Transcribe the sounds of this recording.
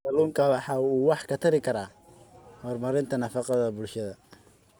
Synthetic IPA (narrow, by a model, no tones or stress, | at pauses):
k̪ɐluːŋkʰɐwɑħɑːuːwɑħkʰɐt̪ʰɐɾɪkʰɐɾaː | hɔrmɐɾɪnt̪ʰɐnɐfɑqɑðɐbʊlʃɐðɐ